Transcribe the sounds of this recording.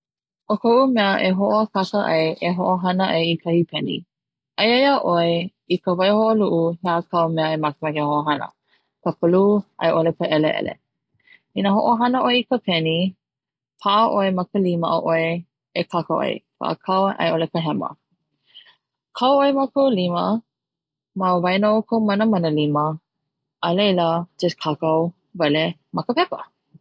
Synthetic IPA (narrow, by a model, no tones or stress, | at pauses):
ʔokʰoʔumɛəʔeɦoʔkʰɐkəʔɐjʔeɦoʔoɦɐnəʔɐjikʰəipʰɛnḭ | ʔɐjɐjaʔoe | ikəvɐjhoʔəluʔuheakʰɐwmɛəemɐkemɛkehoʔoɦɐnə̰ | kəpʰəluɐ̰jʔolepəʔɛleʔɛ̰lḛ | inaɦoʔoɦɐnəʔoeikəpʰɛni | pʰaʔəʔoemɐkəliməʔəʔoe | ekʰakəʔo̰j̰kʰə̰ʔə̰kʰawʔɐ̰jʔolekəɦɛmə̰ | kʰawoemakowlimə | mavɐjnokʰowmɐnəmɐnəlimə | ʔːlejləd͡ʒəskʰakaw | vɛlemɐkəpɛkə̰